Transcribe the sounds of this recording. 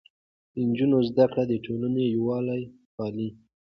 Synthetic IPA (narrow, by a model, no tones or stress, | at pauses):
d̪ənd͡ʒunozd̪akɽad̪əʈʰolənejwɑlaj | xɑli